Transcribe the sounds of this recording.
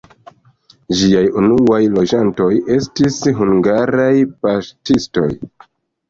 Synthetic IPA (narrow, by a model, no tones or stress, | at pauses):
d͡ʒiajunuajlo̞d͡ʒanto̞je̞stisɦuŋɡaɾajpastisto̞̰j